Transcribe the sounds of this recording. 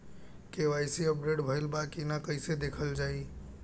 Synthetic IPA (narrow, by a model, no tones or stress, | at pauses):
keʋajseəp̚ɖeɖbʱəɪlbakinakəɪsed̪ekʰəld͡ʒai